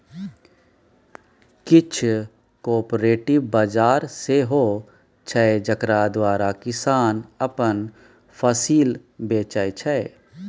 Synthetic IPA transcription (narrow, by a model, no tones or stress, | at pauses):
kɪt͡ʃʰ | kɔːɾpɾeːʈɪʋbad͡ʒaːɾseɦoː | t͡ʃʰɛed͡ʒəkɾad̪waːɾakɪsaːnɐpən | pʰəsiːlbeːt͡ʃəjt͡ʃʰɛe